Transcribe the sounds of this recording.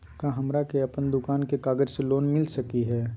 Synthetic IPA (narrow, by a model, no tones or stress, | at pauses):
kãːɦɐmɾakeɐpənd̪ʊkaːnkekaːɡəd͡ʒseloːnmɪlsɐkiɦɛː